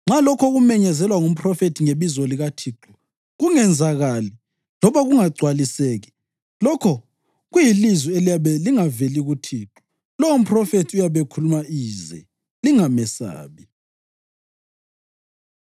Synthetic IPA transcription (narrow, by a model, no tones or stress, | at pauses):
ŋ͡ǁalɔkʰɔɣumɛɲɛzɛlwaŋum̩pʰrɔfetʰiŋeβizɔliɣatʰiːǃu | ɣuŋɛnd͡zʱaɣali | lɔβaɣuŋaɡ͡ǀʱwaliseːɣi | lɔkʰɔ | ɣujilizwielijaβɛliŋaveliɣutʰiːǁu̥ | lɔum̩pʰʼrɔfetʰiujaβekʰulumaiːzɛ̰ | liŋamɛsa̰ːβi